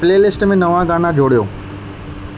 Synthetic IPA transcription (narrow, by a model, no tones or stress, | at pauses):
pleːlɪsʈmẽnɐʋãɡaːnad͡ʑoːɽijoː